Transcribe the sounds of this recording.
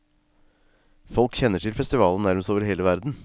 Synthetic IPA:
fɔlkçɛnːəʈʰɪlfɛst̪ɪʋɑːlən̩næɾməst̪oːʋəɾheːləʋæɾd̪n̩

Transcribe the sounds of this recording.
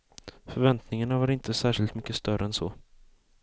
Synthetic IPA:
fœɾvɛnt̪nɪŋaɳavaɾɪnt̪ʰəsæːʂɪlt̪mʏkːəst̪œɾəɛnsɔː

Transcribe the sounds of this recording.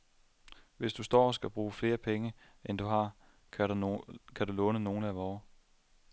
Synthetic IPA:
ʋe̝sd̥usd̥ɒ̰ːɒsɡ̥æb̥ʁuːfle̝ːɐpʰeŋə | end̥uɦɑ̈ | kʰæd̥ulɔ̽ːnəno̝ːn̩æʋɒː

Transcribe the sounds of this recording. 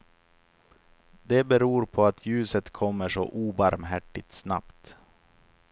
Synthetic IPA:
d̪ɛbɛɾuːɾpʰɔat̪ʰjʉ̟ːsət̪kʰɔmːəʂɔ̰ʔuːbaɾmɦæʈːɪt̪sna̰pt̪

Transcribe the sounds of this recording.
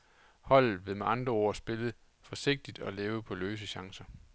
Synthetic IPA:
hɒ̽l̰ð̩ˠʋe̝meʔɑ̈nd̥ʁɐo̝ɐ̰sb̥e̝lð̩ˠ | fɒ̽se̝ɡ̥̚d̥id̥ɒ̽leːʊpʰɒ̽løːs̬əɕɑ̈ŋsɐ

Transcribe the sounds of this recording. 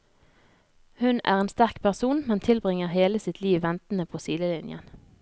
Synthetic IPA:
hʉnæ̰ːʁeːnst̪æʁkpʰæʁsuːnmɛnt̪ʰɪlbʁɪŋəʁheːləsɪt̪ʰliːʋʋɛnt̪n̩əpʰoːsiːləlɪnjə̰n

